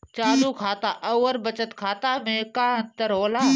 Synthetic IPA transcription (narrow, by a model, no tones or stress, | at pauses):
t͡ʃaːd̪uːkʰaːt̪aːʔɐəɾbɐt͡ʃət̪kʰaːt̪aːmẽkaːə̃nt̪əɾɦoːlaː